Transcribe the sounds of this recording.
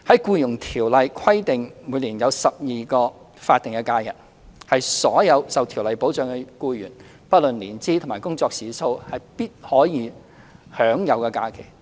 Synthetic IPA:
hɐ˨˥jkuː˧jʊ˨˩ŋt̪ʰiː˨˩wlɐ˨jkʰɐ˥jt̪ɪ˨ŋmuː˨˧jliː˨˩njɐ˨˧wsɐ˨p̚jiː˨kɔː˧ | faː˧t̪ːɪ˨ŋkɛ˧kaː˧jɐ̰˨˩n̚ | hɐ˨jsɔː˨˥jɐ˨˧wsɐ˨wt̪ʰiː˨˩wlɐ˨jpo˨˥wt͡sœː˨ŋkɛ˧kuː˧jy̰ː˨˩n | pɐ˥t̚lɵ˨nliː˨˩nt͡siː˥t̪ʰʊ˨˩ŋmaː˨˩jkʊ˥ŋt͡sɔː˧k̚siː˨so˧whɐ˨jpiː˥t̚hɔː˨˥jiː˨˧ | hœː˨˥ŋjɐ˨˧wkɛː˧kaː˧kʰe˨˩j

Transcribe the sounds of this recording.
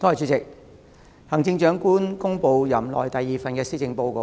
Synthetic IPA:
t̪ʰɔː˥˧˥jt͡ʃyː˨˥t͡sɪ˨k̚ | hɐ˨˩ŋt͡sɪ˧ŋt͡ʃœː˨˥ŋkuː˥nkʊ˥ŋpo˧wjɐ˨˩mlɔ̰ː˨˩jt̪ɐ˨jːiː˨fɐ˨nkɛː˧siː˥t͡sɪ˨˧ŋpo˧wko˨˧

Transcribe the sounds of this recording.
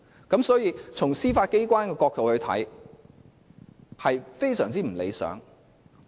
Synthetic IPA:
kɐ˨˥msɔː˨˥jiː˨˧t͡sʰʊ˨˩ŋsiː˥faː˧t̚ke˥jkʷaː˥nkɛː˧kɔː˧k̚t̪o˨whɵ˧ɥt̪ʰɐ̰˨˥j | hɐ˨jfe˥jsœː˨˩ŋt͡siː˥m̩˨˩lḛ˨˧jsœ̰ː˨˥ŋ

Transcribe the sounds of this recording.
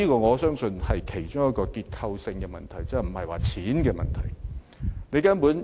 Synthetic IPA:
iː˥kɔː˧ŋɔː˨˧sœː˥ŋsɵ˧nhɐ˨jkʰe˨˩jt͡ʃʊ˥ŋjɐ˥t̚kɔː˧kiː˧t̚kʰɐ˧wsɪ˧ŋkɛ˧mɐ̰˨nt̪ʰɐ˨˩jt͡sɐ˨˧m̩˨˩hɐ˨jwaː˨t͡sʰiː˨˥nkɛː˧mɐ̰˨nt̪ʰɐ˨˩j | ne˨˧jkɐ˥npuː˨˥n

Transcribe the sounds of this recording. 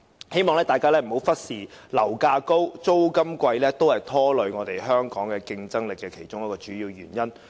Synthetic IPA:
he˥jmɔː˨ŋlɛː˥t̪aː˨jkaː˥lɛː˥m̩˨˩ho˨˥wfɐ˥t̚siː˨˩ | lɐ˨˩wkaː˧ko˥wt͡so˥wkɐ˥mkʷɐ˧jlɛː˥t̪o˥whɐ˨jt̪ʰɔː˥lɵ˨˧ɥŋɔː˨˧t̪e˨jɦœː˥ŋkɔː˨˥ŋkɛː˧kɪ˧ŋt͡sɐ˥ŋlɪ˨kːɛː˧kʰe˨˩jt͡ʃʊ˥ŋjɐ˥kɔː˧t͡ʃyː˨˥jiː˧wjyː˨˩njɐ˥n

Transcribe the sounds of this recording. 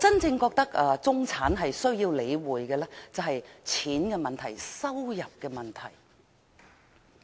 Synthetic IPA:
t͡sɐ˥nt͡sɪ˧ŋkɔː˧k̚t̪ɐ˥k̚ɐː˧t͡sʊ˥ŋt͡sʰaː˨˥nɦɐ˨jsɵ˥ɥjiː˧wle˨˧jwuː˨jkɛː˧lɛ˥t͡sɐ˨wɦɐ˨jt͡sʰiː˨˥nkɛː˧mɐ˨nt̪ʰɐ˨˩jsɐ˥wjɐ˨p̚kɛː˧mɐ˨˩nt̪ʰɐ̰˨˩j

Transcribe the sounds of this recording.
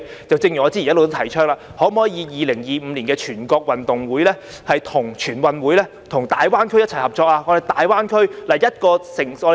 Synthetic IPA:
t͡sɐ˨wt͡sɪ˧ŋjyː˨˩ŋɔː˨˧t͡siː˥˨˩jɐ˥lwt̪o˥t̪ʰɐ˨˩jt͡ʃʰœː˥k̚ŋlaː˨˧hɔː˨˥m˨ɔː˨˥jiː˨˧jiː˨˧lɪ˨˩ŋjiː˨m̩˨˧li˨˩nkɛː˧t͡ʃʰyː˨˩nkɔː˧k̚wɐ˨nt̪ʊ˨ŋwuː˨˥jlɛː˥ | hɐ˨jt̪ʰʊ˨˩ŋt͡ʃʰyː˨˩nwɐ˨nwuː˨˥jlɛː˥ | t̪ʰʊ˨˩ŋt̪aː˨jwaː˥nkʰɥjɐ˥t̚t͡sʰɐ˨˩jhɐ˨p̚t͡ʃɔː˧k̚laː˧ŋɔː˧hɐ˨jt̪aː˨jwaː˥nkʰɵ˥ɥlaː˨˩jɐ˥t̚kɔː˧sɪ˨˩ŋɔ˨˧

